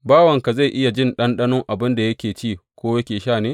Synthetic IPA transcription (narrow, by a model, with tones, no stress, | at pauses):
baː˦wɐ˨ŋka˨za˦˨ʔɪ˦ja˨d͡ʒɪ˦nɗɐ˦nɗɐ˦nʊ˦ŋʔa˨bɪ˦nda˨jɐ˦kʲeː˨t͡ʃiː˦˨kʷoː˦jɐ˦kʲeː˨ʃaː˦˨neː˦